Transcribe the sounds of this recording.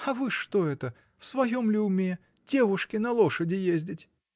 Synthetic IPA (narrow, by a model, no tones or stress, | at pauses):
ɐvɨʂt̪o̞ɛt̪ə | fsvɐjomlʲɪʊmʲe | d̥ʲevʊʂkʲɪnɐlˠo̞ʂədʲɪjezʲdʲɪtʲ